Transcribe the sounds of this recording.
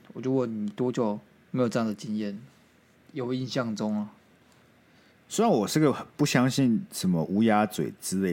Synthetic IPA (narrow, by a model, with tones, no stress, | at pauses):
wɔ˨˩t͡ɕju˥˩˦kɔ˨˩ni˨˩t̪wɔ˥t͡ɕjo˨˩ʊ | me˧˥jʈ͡ʂɤ˥˧jɑ˥˨ŋd̪ə˨t͡ɕi˦njɛ˥˨n | jo˨˩ʊi˥˧nɕjɑ˥˨˩ŋt͡sʊ˦ŋ˨ | swe˥ɪɻa˨nwɔ˨˩ʂɻ̩˥˩ɡə˨xpu˥˩ɕjɑ˦ŋɕi˥˨nʂə˨˩nmə˦ʔu˧˥ja˥t͡swḛ˨˩ɪt͡sɹ̩˧˥le˥˩